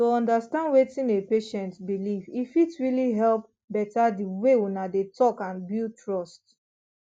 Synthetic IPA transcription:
toɔ̃ndastãndwetĩnepeʃɛ̃ntbilivifidɹiliɦɛlp̚ | bɛtadiwewunadetʰɔkãnbiltʰɹɔst

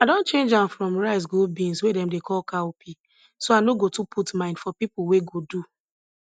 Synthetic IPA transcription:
adõnt͡ʃẽnd͡ʒãmfɹɔ̃mɹaɪs̬ɡulbĩnswedɛ̃mdekʰɔlkaopʰi | soanoɡotupʰutmãɪ̃nd̥fɔpipʊweɡodu

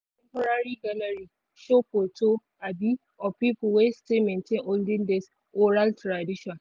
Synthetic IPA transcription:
tɛ̃mpɐɾaɾiɡɐlɐɾi | ʃopotʰo | abi | ɔpiːpʊwestemɛntẽŋoldɪndes | oɾaltɾadɪʃɔ̃n

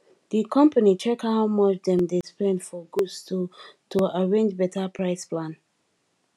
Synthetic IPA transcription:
dikʰɔ̃mpanit͡ʃɛkhaʊmɔt͡ʃdɛ̃mdespɛ̃ndfɔɡudstotʰuaɹẽnd͡ʒbɛtapʰɹaɪsplãn

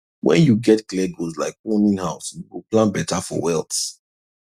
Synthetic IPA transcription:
wɛ̰̃njuɡɛtklɛɡozlaɪkonĩnhaʊsjuwilplãnbɛtafɔ̰wɛlˠt

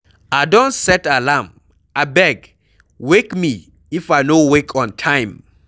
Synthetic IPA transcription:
adɔ̃ntsɛtalãm | abɛɡ | wekmi | ifajnowekʰɔ̃ntʰãj̃m

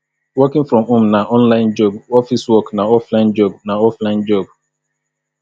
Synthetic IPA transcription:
wɔkɪ̃nfɾɔmʊ̃mnaʔɔ̃nlaɪ̃nd͡ʒɔbɔfiswɔknaɔflaɪ̃nd͡ʒɔbnaɔflaɪ̃nd͡ʒɔb̚

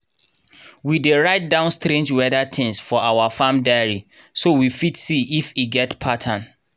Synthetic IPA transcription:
wideɹaɪt̚dãʊ̃nstɾẽnd͡ʒwɛdatʰɪ̃ŋsfɔawafãmdaɪəɹisowifitsiifiɡɛtpʰatʰãn

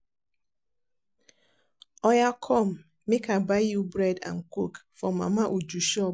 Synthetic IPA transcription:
ɔjakʰɔm̩ | mekabajubɾɛda̰ŋ̩kukfɔma̰maʔud͡ʒuʃɔ

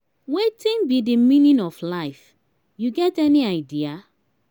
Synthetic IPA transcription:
wetĩnbidimĩnĩnɔflaɪf | juɡɛtɛniaɪdia

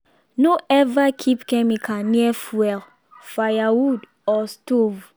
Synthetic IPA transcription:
noʔɛvakʰipkɛ̃mikʰãniɛfwɛl | fajawud | ɔstov

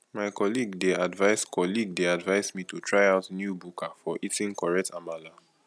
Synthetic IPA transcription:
maɪkɔliɡdeadvaɪskʰɔliɡ̚deadvaɪzmitutʰɹaɪaʊtnjubukʰafɔʔitĩŋkɔɹɛk̚tamala

